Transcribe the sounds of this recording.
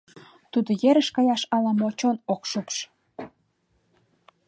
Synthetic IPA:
t̪ud̪ojeɾəʃkɑjɑʃɑlɑmot͡ɕonokʃupʃ

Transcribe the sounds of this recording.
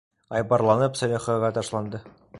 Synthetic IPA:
ɑjbɑɾlˠɑnɤpsɑɾʲɑχɑʁɑt̪ɑʃlˠɑnd̪ɤ

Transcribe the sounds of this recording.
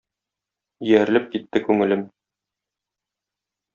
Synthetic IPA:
ijæɾlɘp̚kit̪ːɘkʉŋɘ̆lɘm

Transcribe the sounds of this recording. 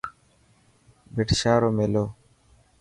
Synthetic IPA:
bɪʈʃaːɾoːmeloː

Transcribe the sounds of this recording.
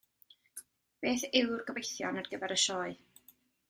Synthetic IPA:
b̥eːθɪwrɡəvejθjɔ̰narɡəvɛɾəʃɔːɨ

